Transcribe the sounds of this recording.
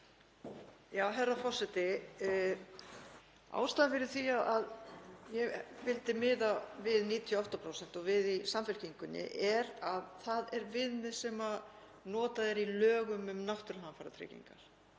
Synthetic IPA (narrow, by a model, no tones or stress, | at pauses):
jaːwɦɛrːafɔ̥sɛt̪ɪ | a̰ːwst̪aðfɪɾɪɾ̥θiaðaðjɛvɪlt̪ɪmɪːðavɪðniːt̪ʰiɔɔht̪apʰɾoːwsɛn̥t̪ɔɣvɪðisamfɛl̥ciŋkʏnːɪ̰ʔɛɾaðθaðɛɾvɪðnɪ̥sɛma | nɔːt̪aðɛɾilœːɣʏmʏmnaht̪ʏɾhanfaɾa̰t̪ʰɾɛ̰cḭŋka̰ɾ̥